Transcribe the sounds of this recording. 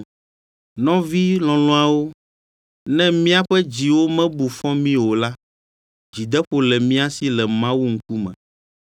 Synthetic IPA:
nɔ̃˦vi˦lɔ̃˨lɔ̃˦a˨wo˦ | nɛ̃˦mĩ˦a˦ɸɛ˦d͡ʑi˨wo˦mɛ̃˦bu˨fɔ̃˦mĩ˦wo˨la˦ | d͡ʑi˨d̪ɛ˦ɸo˨lɛ˨mĩ˦a˦si˨˦lɛ˨mã˦wu˦ŋ̩˦ku˦mɛ̰̃˨

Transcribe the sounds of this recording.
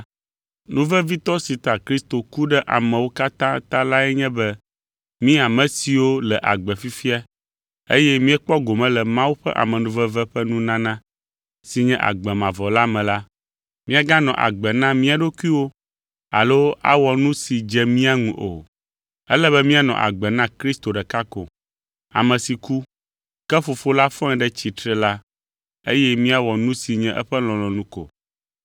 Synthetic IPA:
nũ˦vɛ˦vi˦t̪ɔ˦si˨t̪a˨kɾi˦st̪o˨ku˦ɖɛ˦ʔa̰˨mɛ̃˨wo˦ka˦t̪ã˦t̪ã˦la˦ɛ˦ɲɛ̃˦bɛ˦ | mĩ˦a˨mɛ̃˨si˨wo˦lɛ˨ʔa̰˨ɡ͡bɛ˨fi˦fi˦a˦ | ḛ˦jɛ˦mĩ˦ɛ˦k͡pɔ˦ɡo˨mɛ̃˦lɛ˨mã˦wu˦ɸɛ̰˦ʔa̰˨mɛ̃˨nũ˦vɛ˦vɛ˦ɸɛ˦nũ˦nã˦nã˦ | si˨ɲɛ̃˦ʔa̰˨ɡ͡bɛ˨mã˨vɔ˨la˦mɛ̃˨la˦ | mĩ˦a˨ɡã˦nɔ̃˨ʔa̰˨ɡ͡bɛ˨nã˦mĩ˦a˨ɖo˦ku˦i˦wo˦ | a̰˨lo˦a̰˦wɔ˨nũ˦si˨d͡ʒɛ˦mĩ˦a˦ŋũ˨ʔo˨ | ɛ˦lɛ˦βɛ˦mĩ˦a˨nɔ̰̃˨ʔa̰˨ɡ͡bɛ˨nã˦kɾi˦st̪o˨ɖɛ˨ka˦ko̰˨ | a̰˨mɛ̃˨si˨ku˦ | kɛ˦fo˨fo˦la˦fɔ̃˦ɛ̃˨ɖɛ˦t͡ɕi˨t̪ɾɛ˦la˦ | e˦jɛ˦mĩ˦a˨wɔ˨nũ˦si˨ɲɛ̃˦ʔɛ˦ɸɛ˦lɔ̃˨lɔ̃˨nũ˦ko̰˨

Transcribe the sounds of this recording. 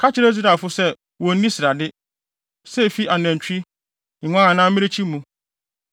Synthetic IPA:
kʰa˦t͡ɕʰɪ˦ɾɛ˦zu˦ɾa˨fʊ˦sɛ˦ | wɔ˨˦nĩ˦sɪ˨ɾa˨dɪ˦ | sɛ˦˨fi˦ʔa˨næ̃˨ɲ˨t͡ɕᶣĩ˦˨ | ŋʷã˦a˨nãː˦mɪ̃˦ɪ˦t͡ɕʰi˦mũ˨

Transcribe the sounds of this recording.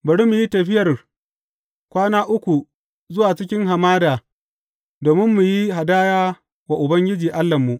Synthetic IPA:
bɐ˨ɽi˦mu˨ji˦tɐ˨ɸɪ˦jɐ˨r | kʷaː˦naː˦ʔʊ˦kʷu˨ | zʊ˦waː˨t͡ʃɪ˦kʲɪ˦ŋɦa˨maː˦daː˨ | doː˨mɪ˦mːu˨ji˦ɦa˨daː˦jaː˦ | wa˨ʔʊ˨bɐ˦ŋɡʲɪ˦d͡ʒiː˨ʔa˦lːɐ˨mːu˨ʔ

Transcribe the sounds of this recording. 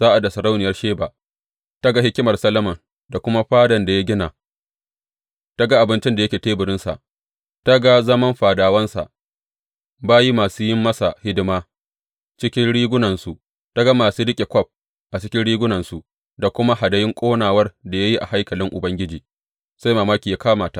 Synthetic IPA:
zaː˦ʔa˨da˨sɐ˨ɾa˦wnɪ˨jɐ˦rʃeː˦ba˨ | ta˦ɡa˦hɪ˦kʲɪ˦mɐ˨rsɐ˦lɐ˦mɐ˨n | da˨kʷʊ˦ma˦ɸaː˦dɐ˨nda˨ja˦ɡʲɪ˦naː˨ | ta˦ɡa˦ʔa˨bɪ˦nt͡ʃɪ˦nda˨jɐ˦kʲeː˨teː˦bʊ˨ɽɪ˦nsa̰˨ʔ | ta˦ɡa˦zɐ˦mɐ˦mɸaː˨daː˨wɐ˦nsa̰˨ʔ | baː˦ji˦maː˨suː˦jɪ˦mːɐ˦sa˨hɪ˦dɪ˦maː˦ | t͡ʃɪ˦kʲɪ˦nɽiː˦ɡʷʊ˦nɐ˨nsu˨ʔ | ta˦ɡa˦maː˨suː˦ɽɪ˦kʲʼe˨kʷɔ˦˨p̚ | ʔa˨t͡ʃɪ˦kʲɪ˦nɽiː˦ɡʷʊ˦nɐ˨nsu˨ʔ | da˨kʷʊ˦ma˦ɦa˨dɐ˦jɪ˦ŋkʷʼoː˦naː˨wɐ˦rda˨ja˦ji˦ʔa˨ha˦jkɐ˨lɪ˦ŋʔʊ˨bɐ˦ŋɡʲɪ˦d͡ʒiː˨ | sa˦jmaː˨maː˦kʲiː˨ja˦kaː˦maː˨ta˦ʔ

